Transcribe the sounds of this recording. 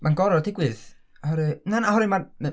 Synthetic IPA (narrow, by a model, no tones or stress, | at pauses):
mʔanɡɔɾɔdɪɡwɨð | ahɔɾɨnanahɔɾɨmar